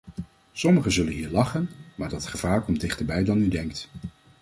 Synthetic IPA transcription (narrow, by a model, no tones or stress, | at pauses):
sɔməχəzɵlənɦiːɹlɑχənmaːɹdɑtχəv̥aːɹkɔmt̚dɪχtəɹbɛjdɑnydɛŋkt